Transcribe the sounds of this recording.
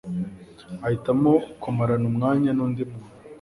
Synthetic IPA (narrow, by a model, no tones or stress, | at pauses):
ahitamokomaɾanumŋaːɲanuːndimu